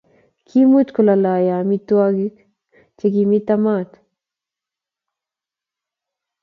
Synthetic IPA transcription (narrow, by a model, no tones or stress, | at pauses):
kʰimut̪kolalajamit̪uaɡik | t͡ʃekimit̪amat̪